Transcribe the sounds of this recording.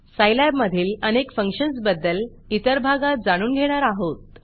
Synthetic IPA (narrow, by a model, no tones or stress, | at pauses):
sajlabməd̪ʱiːlənekfəŋkɕənsbəd̪ːəl | it̪əɾbʱaɡat̪̚d͡zaɽ̃uːnɡʱeɽ̃aɾaɦot̪̚